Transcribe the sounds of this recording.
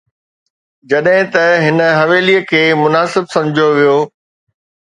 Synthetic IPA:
d͡ʑɐɗɦɪ̃t̪ɐɦɪnə̆ɦɐʋeːliəkʰeːmʊnaːsɪbsɐ̃md͡ʑʱijoʋijoː

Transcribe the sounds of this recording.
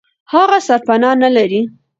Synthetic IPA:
haɣasaɾpanɑnalaɾi

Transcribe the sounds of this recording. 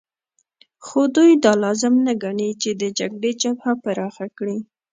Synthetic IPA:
xod̪ujd̪ɑlɑzɪmnaɡaɳit͡ʃed̪əd͡ʒaɡɽet͡ʃabhapaɾɑxakɽi

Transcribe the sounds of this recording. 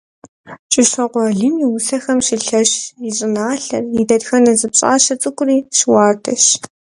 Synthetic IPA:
t͡ʃʼɪɕɐqʷɔɮɨnjiwʊsɐxɐmɕiɬɐɕjiɕʼɪnaːɬɐ̰rjidɐdxɐnɐzɨpɕʼa̰ːɕɐt͡sʼɨkʷʼʊriːʃwɑːrtʰɐɕ

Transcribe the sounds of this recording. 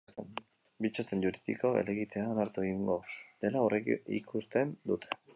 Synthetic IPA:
n | bit͡ʃosenɟuɾiðḭko̞ḛle̞ɣit̪e̞aonaɾt̪ueɣiŋɡo̞ð̥e̞laorekḭkʰust̪e̞nd̪ut̪ʰe̞̥

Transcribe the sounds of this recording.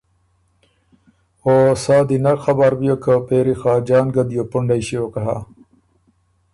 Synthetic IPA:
oːsaːd̪inɐɾxɐbaɾbijokʰəpeːɾixaːd͡ʑaːnɡɐd̪jopuɳɖajɕiokɐɦa̰

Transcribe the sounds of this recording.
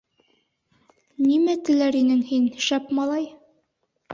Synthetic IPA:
nimæt̪ɘ̆læɾinɘŋhinʃæpmɑlˠɑj

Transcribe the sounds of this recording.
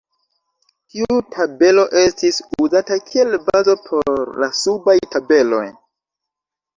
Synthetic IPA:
tiutʰabe̞lo̞ʔe̞stisuzatakʰie̞lbazo̞pʰo̞ɾlasubajtabe̞lo̞̰j

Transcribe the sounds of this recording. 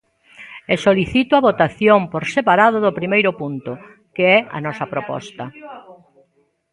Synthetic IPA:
esoliθit̪ʊɐβot̪aθjompoɾsepaɾað̞ʊðʊpɾimejɾʊpunt̪ʊ | keɛɐ̰nɔsɐpɾopɔ̰st̪ɐ

